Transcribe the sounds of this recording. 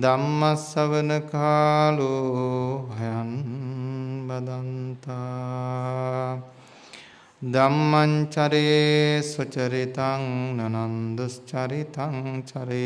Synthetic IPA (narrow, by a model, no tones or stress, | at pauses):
d̪ɐmːɐsɐʋɐnɐkaːlu | ɦɐjɐn | bɐd̪ɐnt̪a | d̪ɐmːɐɲt͡ʃɐɾesɐt͡ʃɐɾit̪aŋnɐnɐnd̪ust͡ʃɐɾit̪aŋt͡ʃɐɾe